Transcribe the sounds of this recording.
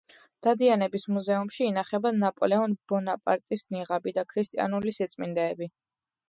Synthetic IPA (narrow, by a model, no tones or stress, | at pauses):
d̪̥ad̪ianɛbismuzɛumʃiːnaχɛbanapʼɔlɛɔnbɔnapʼa̰ɾt̪ʼisniʁabid̪akʰɾist̪ʼḭa̰nulisit̪sʼmind̪ɛːbi